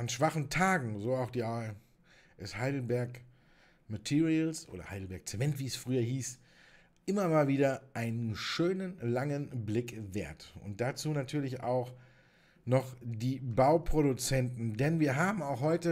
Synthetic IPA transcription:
ʔanʃv̥aχn̩tʰaːɡŋ̩zoːaʊxd̥iːʔa | ʔɪshaɪdl̩bɛɐk | matʰiːʁiəlsʔo̰ːdɐ̰ha̰ɪdl̩bɛɐkt͡sɛmɛntv̥iːɛsfʁ̥yːɐhiːs | ʔɪmɐmaːlviːdɐʔaɪnənʃøːnənlaŋənblɪkveːɐtʔʊ̰nt̚d̥at͡suːnatʰyːɐlɪça̰ʊx | nɔχd̥iːbaʊpʁ̥oɾut͡sɛntn̩dɛnviːɐɦaːbm̩aʊxhɔʏtə

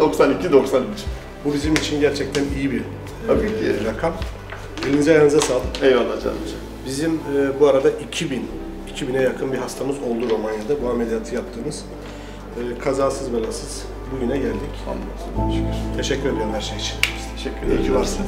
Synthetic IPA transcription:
d̪oksanicʰid̪o̞ksant͡ʃ | bubizimit͡ʃʰinɟæɾt͡ʃʰɛc̚t̪ʰænijibi | abiːiɾakʰam | belinizajanɯzasaːlˠɯkejanːad͡ʒa̰ | bizimːbuaɾad̪aʔicʰibin | icʰibinɛjakʰɯnbiɦast̪ʰamɯzo̞lˠd̪uɾo̞manjad̪abuamed̪ijat̪ʰɯjap̚t̪ʰɯːmɯz̥ | ɯːkʰazaːsɯzbalˠasɯz̥ | buɟynɛɟælʲd̪ica̰noɯʃɛcyɾt̪ʰe̞ʃɛcʰːyɾed̪ijoɾumhæɾʃejit͡ʃʰi̥nt̪ʰeʃɛcʰːyɾeaɾs

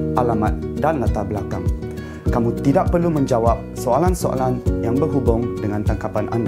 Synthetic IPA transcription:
ʔalamat̪̚danlat̪abəlakaŋ | kamũt̪idaʔ̚pərlumə̃ɲd͡ʒawap̚soalansoa̰lanjaŋbərɦubʊŋdəŋãnt̪aŋkapanʔanda

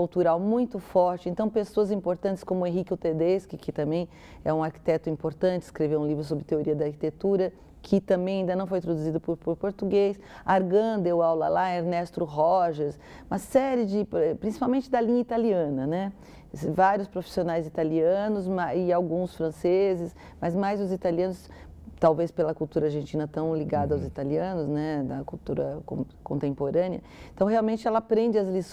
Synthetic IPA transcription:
uwt̪uɾawmũj̃t̪ʊfɔɾt͡ʃɪẽnt̪ɐ̃w̃pesoɐzĩpoɾt̪ɐ̃nt͡ʃɪ̥skõmʊẽɦikɪʊt̪ed̪eskɪkɪt̪ɐ̃mbẽj̃ | ɛũaɾki̥t̪ɛt̪ʊĩmpoɾt̪ɐ̃nt͡ʃɪskɾevewũlivɾʊs̬obɾɪt̪eoɾiɐd̪ɐaɾki̥t̪et̪uɾɐ | kʰɪt̪ɐ̃mbẽj̃ãĩd̪ɐnɐ̃w̃foj̃t̪ɾod̪uzid̪ʊpʊɾpoɾpoɾt̪uɡejs | aɾɡɐ̃d̪ewawlɐ̰laeɾnɛst̪ɾʊɦɔʒɐɾs | ũmɐsɛɾɪd͡ʒɪpɛpɾĩsi̥pawmẽnt͡ʃɪd̪ɐlĩɲɐit̪aliɐ̃nɐnɛ | vaɾjʊspɾofi̥sionajzit̪aliɐ̃nʊzmaɪawɡũsfɾɐ̃sezɪs | mɐzmajzʊzit̪aliɐ̃nʊs | t̪awvespelɐkuwt̪uɾɐaɾʒẽnt͡ʃĩnɐt̪ɐ̃w̃liɡad̪ɐawzit̪aliɐ̃nʊznɛd̪ɐkuwt̪uɾɐ̰kõ̰ | kõnt̪ẽmpoɾɐ̃niɐ | ẽt̪ɐ̃w̃ɦeawmẽnt͡ʃɪɛlɐapɾẽnd͡ʒɪɐzlis

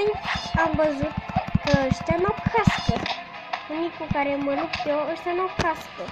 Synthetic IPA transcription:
jamvəzut̪̚kəəʃt̪ʲjanawkʰast̪ə | unikukaɾeməlupt̪oəʃt̪janawkast̪ə

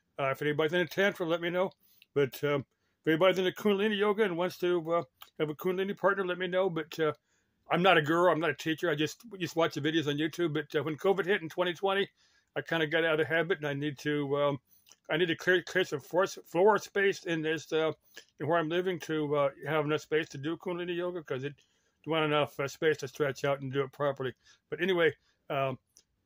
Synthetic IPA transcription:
ʌfɛnibɑɾiðɨ̃nɨtʰæ̃ntʰɹə˞lɛt̚minoʊ | b̥ʌtʰʌ | ɛnibɑɾiðɨ̃nɨkʰũnlĩnijoʊɡɨɨ̃nwʌ̃nstʰɨʌɨvəkʰũnlĩnipʰɑɹtⁿnə˞lɛt̚minoʊbʌtʌ | ãɪ̃mnəɾɨɡɜ˞lˠãɪ̃mnɨɾɨtʰit͡ʃə˞aɪd͡ʒʌst̚jɨstwɑt͡ʃɨvɪɾioʊzn̩jʉtʰʉb̚bʌt̚ʌwɨ̃nkʰoʊvɨd̚hɪɾn̩tʰw̥ɛ̃ɾ̃itʰw̥ɛ̃ɾ̃i | aɪkʰãɪ̃ndɨɡɛɾaʊɾɨɦæbɨɾnaɪnid̚tʰɨʌ | aɪnid̚tʰɨkʰl̥ɪɹkʰl̥ɪɹsʌ̃ɱfɔɹsflɔɹəspeɪsɪ̃nðɪsʌ | ɨ̃nwə˞ãɪ̃mlɪvɪ̃ŋtʰɨʌɨvnʌspeɪstʰɨdɨkʰũnliɨ̃nɨjoʊɡəkʰʌzɨt̚ | wɑ̃ɾ̃ɨnʌfʌspeɪstʰɨstɹ̥ɛt͡ʃaʊɾn̩dɨɨt̚pʰɹ̥ɑpə˞lˠi | b̥ʌɾɛniweɪ | ʌ

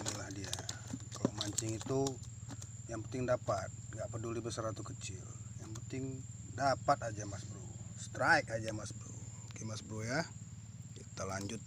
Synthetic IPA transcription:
nilahdiakalomaɲt͡ʃɪŋit̪u | jaŋpənt̪ɪŋdapat̪̚ŋɡaʔpədulibəsaɾat̪ukət͡ʃɪljaŋpənt̪ɪŋdapat̪ad͡ʒamasbɾusə̥t̪ɾaikad͡ʒamasbəɾṵkimasbɾuja | t̪əlaɲd͡ʒʊt̪̚

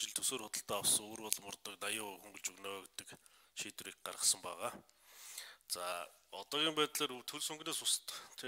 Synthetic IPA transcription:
t͡ɕɪ̆ɮt̪ʰɵsoːrxʊt̪ə̆ɬt̪æːawsə̆ŋoːrpɔɮmʊrt̪ɞ̆knajəːxuŋɡɵ̆ɮt͡ɕɵɣnɔːɡet̪ɘ̆k | ʃiːt̪wriːk̚ɢa̰rʁə̆sə̆mpæːʁaː | t͡sa | ɔt̪ɔːɣʲiːmpæːt̪ɮeːrɵt̪ʰɵɮsɵŋɡneːsʊst̪t̪ʰe

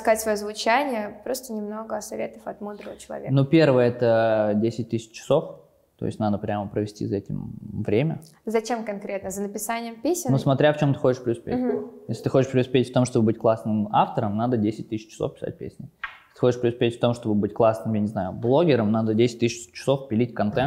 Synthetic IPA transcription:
skatʲsvɐjozvʊt͡ɕænʲɪjəpɾo̞st̪ənʲɪmno̞ɡəɐsɐvʲet̪əfɐt̪mud̪ɾəvət͡ɕɪlˠɐ̰vʲḛknupʲervəjəɛt̪ədʲesʲɪt̚ʲt̪ɨsʲɪ̥t͡ɕt͡ɕːɪ̥so̞f | t̪o̰ɪ̰sʲtʲnad̪əpɾʲaməpɾəvʲɪsʲtʲḭzɐɛtʲɪ̰mvɾʲemʲə̰ | zɐt͡ɕe̞mkɐnkɾʲet̪nəzənəpʲɪsanʲɪjəmpʲesʲnnusmɐt̪ɾʲaft͡ɕo̞mt̪ɨ̥xo̞t͡ɕɪʂpɾʲɪʊspʲḛtʲjesʲlʲɪt̪ɨ̥xot͡ɕɪʂpɾʲɪʊspʲetʲft̪o̞mʂt̪o̞bəbɨtʲklˠasnɨmaft̪əɾəmnad̪ədʲesʲɪt̚ʲt̪ɨsʲɪt͡ɕːɪsofpʲɪ̥sa̰t̚ʲpʲḛsʲnʲɪjesʲɪt̪ɨ̥xot͡ɕɪʂpɾʲɪʊspʲetʲft̪o̞mʂt̪o̞bɨbɨtʲklˠasnɨmjanʲɪznajʊblˠoɡʲɪɾəmnad̪ədʲesʲɪt̚ʲt̪ːɨs̬ʲɪt͡ɕt͡ɕːɪ̥so̞fpʲɪlʲitʲkɐnt̪ɛnt̪

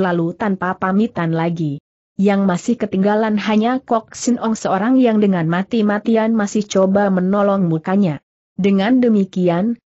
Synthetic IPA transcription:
lalut̪anpapamit̪anlaɡi | jaŋmasɪhkət̪iŋɡalanɦaɲakɔk̚sinʔɔŋsəoɾaŋjaŋdəŋanmat̪imat̪ianmasɪht͡ʃobamənɔlɔŋmukaɲa | dəŋandəmikian

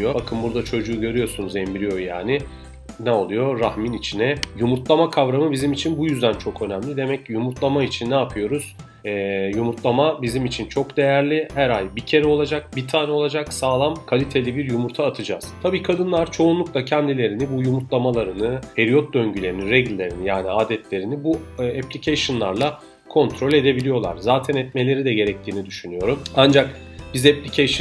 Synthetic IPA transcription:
jobakʰɯmbuɾd̪at͡ʃʰo̞d͡ʒuːɟø̞ɾyjo̞sunuzɛmbiɾijo̞jaːnɪ | nɛo̞lˠujo̞ɾahminit͡ʃʰinɛjumuɾt̪lˠamakʰavɾamɯbizimit͡ʃʰinbujyzd̪ænt͡ʃʰo̞kø̞næmlʲid̪e̞mɛcjumuɾt̪lˠamait͡ʃʰinːaːpʰɯjo̞ɾuz̥ | ɛːjumuɾt̪lˠamabizimit͡ʃʰint͡ʃʰo̞kd̪e̞jæɾlʲihæɾajbicʰe̞ɾɛo̞lˠad͡ʒak̚bit̪ʰaːnɛo̞lˠad͡ʒaksaːlˠamkʰalʲit̪ʰe̞lʲibiɾjumuɾt̪ʰaːt̪ʰɯd͡ʒa̰z̥t̪ʰabiːkʰad̪ɯnlˠaɾt͡ʃʰo̞unlˠuklˠacʰɛnd̪ilʲe̞ɾinibujumuɾt̪lˠamalˠaɾɯnɯpʰeɾijo̞t̪̚d̪ø̞ɲɟylʲe̞ɾiniɾɛɟlʲːe̞ɾinijaːniaːd̪ɛt̪lʲe̞ɾinibuɛpʲlʲicʰeʃonlˠaɾlˠa | kʰo̞nt̪ʰɾo̞lʲe̞d̪e̞bilʲijo̞lˠa̰ɾzaːt̪ʰɛnɛt̪me̞lʲe̞ɾid̪ɛɟe̞ɾɛc̚t̪ʰiːnid̪yʃynyjo̞ɾumand͡ʒak | bizɛpʲlʲicʰeʃ

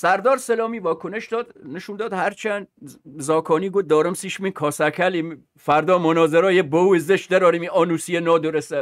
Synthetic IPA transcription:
sæɾd̪ɒːɾselɒːmiːvɒːkʰoneʃd̪ɒːd̪neʃuːnd̪ɒːd̪hæɾt͡ʃʰænd̪zɒːkʰɒːniːɡod̪ɒːɾemsiʃminkʰɒːsækʰælim | fæɾd̪ɒːmonɒːzeɾɒːjebouezeʃd̪eɾɒːɾimiɒːnusijenɒːd̪oɾesæ

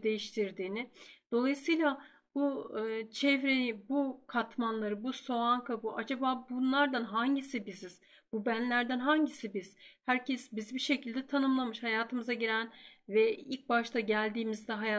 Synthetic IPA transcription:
d̪e̞jiʃt̪ʰiɾd̪iːnɪd̪̥o̞lˠajɯsɯjlˠa | buɯːt͡ʃʰɛvɾenibukʰat̪manlˠaɾɯbuso̞aŋkʰabuʔad͡ʒabaːbunlˠaɾd̪anɦaɲɟisibiziz̥ | bubænlʲæɾd̪ænɦaɲɟisibiz̥hæɾcʰɛsbizibiʃe̞cilʲd̪ɛt̪ʰanɯmlˠamɯʃhajaːt̪ʰɯmɯzaɟiɾænvɛḭlʲc̚baʃt̪ʰaɟælʲd̪iːmizd̪ɛɦaja

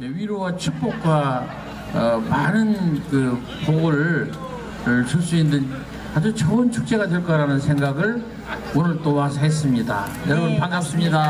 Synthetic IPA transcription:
eɥiɾowat͡ɕʰɯk̚p͈ok̚k͈wa | manɯnkɯ | poɡɯɾ | t͡ɕɯs͈uinːɯn | ad͡ʑut͡ɕʰʌɯnt͡ɕʰuk̚t͡ɕ͈e̞ɡadwe̞ɭk͈aɾanɯnsʰe̞ŋɡaɡɯɭ | onɯɭt͈owasʰɦes͈ɯmɲida̰ | jʌɾʌbunpanːap̚s͈ɯmɲida

